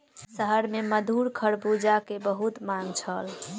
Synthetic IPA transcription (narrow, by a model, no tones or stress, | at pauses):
səɦəɾmeməd̪ʱuɾkʰəɾbud͡ʒakebəɦut̪mãŋɡt͡ʃʰəl